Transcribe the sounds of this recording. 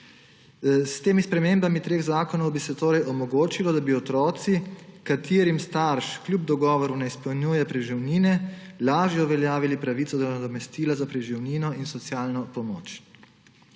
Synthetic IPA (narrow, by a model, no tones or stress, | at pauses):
st̪eːmispɾɛmeːmbamit̪ɾeːɣzaːkɔnɔwbisɛt̪oːɾɛjʔɔmɔɡoːt͡ʃilɔd̪abiɔt̪ɾɔːt̪sikat̪ʰeːɾimst̪aɾʃklʲjub̚d̪ɔɡɔːʋɔɾunɛispɛwnjuːjɛpɾɛʒiwniːnɛ | laːʒjɛuʋɛljaːʋilipɾaʋit̪sɔd̪ɔnad̪ɔmɛst̪iːlazapɾɛʒiwniːnɔinsɔt̪sjaːlnɔpɔmo̰ːt͡ʃ